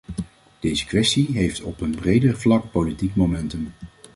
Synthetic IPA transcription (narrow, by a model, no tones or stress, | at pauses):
d̥ejzəkʋɛstiɦejftɔpənbrejdəɹvlɑk̚powlitikmomɛntəm